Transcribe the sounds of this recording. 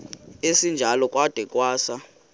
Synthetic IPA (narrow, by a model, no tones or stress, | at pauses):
esind͡ʒʱalɔkʼwad̥ʱɛkʼwaːsa